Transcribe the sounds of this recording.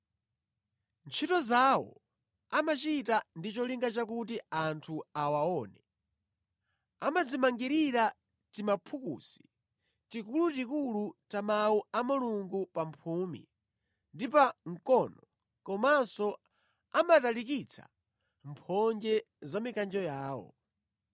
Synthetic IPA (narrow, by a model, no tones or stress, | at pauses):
nt͡ʃʰitɔzawɔ̰ | amat͡ʃitandit͡ʃɔliŋɡat͡ʃakut̬iantʰuawaɔːnɛ | a̰mad͡zimaŋɡiɾiɾa | timapʰukṵːsi̥ | tikulutikulut͡ʃamauamuluŋɡupampʰuːmḭ | ndipaŋ̩kɔnɔ | kɔmasɔ | amatalikit͡sʰḁ̰ | mpʰɔnd͡ʒɛ | zamikand͡ʒɔjaːwɔ̰